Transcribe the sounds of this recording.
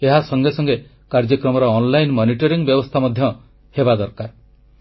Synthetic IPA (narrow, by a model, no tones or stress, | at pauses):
eɦasɔŋɡesɔŋɡe | kaɾd͡ʒɔkɾɔmɔɾɔːnlajnmɔniʈɔɾiŋbjɔbɔst̪ʰamɔd̪ʱjɔ | hebad̪ɔɾkaɾ